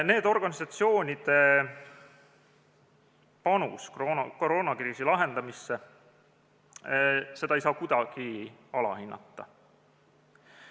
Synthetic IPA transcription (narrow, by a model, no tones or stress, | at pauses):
ne̞ːd̪̥o̞rɡ̥ɑnisɑt̪sio̞ːnʲid̪̥e̞ | pɑnṵskonkoɾoːnɑkriːsilɑɦe̞nd̪̥ɑmisːe | se̞d̪̥ɑejsɑːkud̪̥ɑɡ̥iɑlɑ̰hinːʔɑ̰t̪ˑːɑ̰